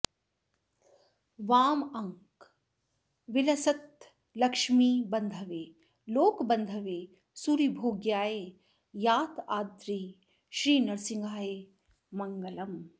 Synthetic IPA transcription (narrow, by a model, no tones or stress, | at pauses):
ʋaːmɐŋk | ʋɪlɐsɐt̪ | lɐkʂmiːbɐnd̪ʱɐʋeː | loːkbɐnd̪ʱɐʋeː | suɾibʱoːɡjaːeː | jaːt̪aːd̪ɾiː | ʃɾiːnɐɾsĩŋɡaːjeː | mɐŋɡɐlɐm